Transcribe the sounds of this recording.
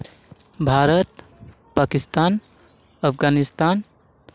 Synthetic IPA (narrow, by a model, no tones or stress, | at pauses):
bʱaɾət̪ | pakist̪aːn | əpʰɡanist̪an